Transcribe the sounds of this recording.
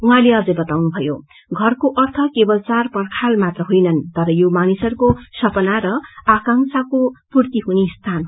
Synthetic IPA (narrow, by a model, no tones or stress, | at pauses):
wɦãleʌd͡zʌjbʌt̪awnubʱʌjo | ɡʱʌrkoʔʌrt̪ʰʌkebʌlt͡sarpʌrkʰalmat̪rʌɦojnʌnt̪ʌɾʌjomanisʌrkosʌpʌnaɾʌakaŋsakopurt̪iɦunest̪ʰanɦ